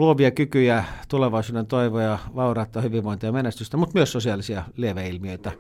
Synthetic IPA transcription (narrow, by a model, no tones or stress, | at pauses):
uoʋiɑkykyjæt̪uleʋɑisuːdent̪oiʋojɑʋɑurɑt̪ˑːɑhyʋiʋʋoint̪ɑjɑmenest̪yst̪æmut̪myøssosiɑˑlisiɑlieʋæilmiøit̪æ